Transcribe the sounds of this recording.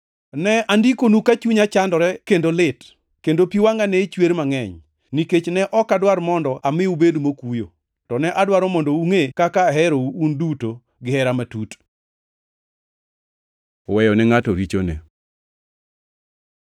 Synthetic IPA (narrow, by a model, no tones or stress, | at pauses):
nɛandikonukat͡ʃuɲat͡ʃandɔɾɛkendolɪt | kendopiwaŋanɛt͡ʃweɾmaŋɛɲ | niket͡ʃnɛʔɔkadwaɾmɔndɔʔamɪubedumokujo̰ | tɔnɛʔadwaɾɔmɔndouŋekakaɦɛɾouunduto | ɡɪɦɛɾamatut | wɛjɔnɛŋatoɾit͡ʃo̰nḛ